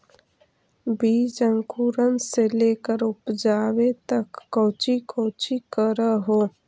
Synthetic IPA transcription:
biːd͡ʒə̃ŋkuːɾənseleːkəɾʊpd͡ʒaːwet̪ɐkːoːt͡ʃikoːt͡ʃikəɾəɦoː

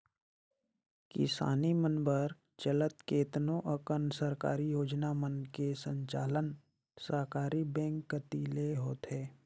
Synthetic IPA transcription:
kɪ̰sa̰ːnimənbəɾ | t͡ʃələt̪keːt̪nõʔəkənsəɾka̰ːɾijoːd͡ʒnamənkesə̃ɲt͡ʃa̰ːlən | səɾkaːɾibɛ̃ːŋkːət̪iːleɦoːt̪ɦɛː

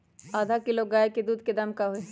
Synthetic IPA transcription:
aːd̪ʱakiloɡɡaːeked̪uːd̪ked̪ɐmkaɦoe

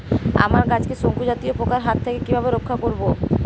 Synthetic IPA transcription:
a̰maɾkat͡ɕkeʃoŋkud͡ʑat̪ijopokaɾɦat̪ʰːekekibʱabeɾokʰːakoɾbo

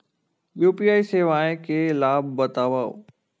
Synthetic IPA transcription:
juːpiːaːiseːʋaːẽkelaːb̚ːɐt̪aːʋaːo̰

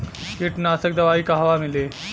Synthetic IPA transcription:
iʈnasək̚d̪ɐʋaikaɦʋamile

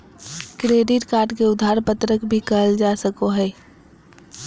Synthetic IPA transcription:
kɾeːɖɪʈkaːɾɖkeʊd̪ʱaːɾpət̪ɾəkbʱikəld͡ʒaːsəkoɦɛː

